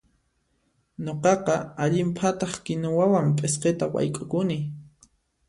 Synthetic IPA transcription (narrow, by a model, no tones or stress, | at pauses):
ɲoqɑqɑaʎɪmpʰat̪ɑχkɪnʊwawampʼesqet̪awa̰jkʼʊkʊnɪ